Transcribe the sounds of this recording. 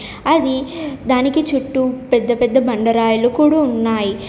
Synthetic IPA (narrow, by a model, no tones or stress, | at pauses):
ɐd̪id̪aːnikit͡ʃuʈːupɛd̪ːɐpɛd̪ːɐbɐɳɖɐɾaːjulukuːɽaːunːaːji